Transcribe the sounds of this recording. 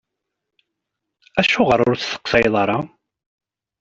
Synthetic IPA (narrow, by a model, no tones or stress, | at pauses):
æʃʊʁəɾˤʊɾθθə̥qːsɑjðˤɑɾˤɑ